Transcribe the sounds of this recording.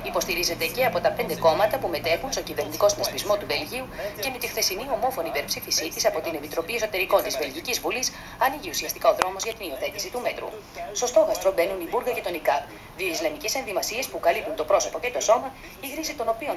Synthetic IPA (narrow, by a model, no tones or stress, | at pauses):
ipo̞st̪iɾize̞nd̪e̞ce̞ɐpo̞t̪ɐpe̞nd̪e̞ko̞mɐt̪ɐpume̞t̪e̞xunst̪o̞civeɾnit̪iko̞snɐspizmo̞t̪uve̞lʝiuce̞met̪ixθe̞sinio̞mo̞fo̞nipe̞ɾpsifisit̪isɐpo̞t̪ine̞pit̪ɾo̞pie̞so̞t̪e̞ɾiko̞nt̪izve̞lʝicizvulis | ɐniʝiusiɐst̪i̥kao̞ðɾo̞mo̞zʝɐt̪inio̞θe̞t̪isit̪ume̞t̪ɾṵ | sto̞st̪o̞ɣɐst̪ɾo̞be̞nunibuɾɣɐce̞t̪o̞nikɐp | ðio̞islɐmice̞se̞nðimɐsie̞spukɐlipunt̪o̞pɾo̞so̞po̞ce̞t̪o̞so̞mɐ | iɣɾisit̪o̞no̞pio̞n